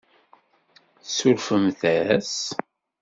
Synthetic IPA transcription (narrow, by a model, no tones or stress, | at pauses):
θsʊɾfəmθæs